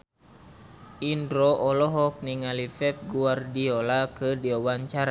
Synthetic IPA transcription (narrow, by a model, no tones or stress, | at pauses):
indɾɔʔɔlɔɦɔk̚niŋalifɛp̪̚ɡuardiɔlakədiɔwaɲt͡ʃaɾa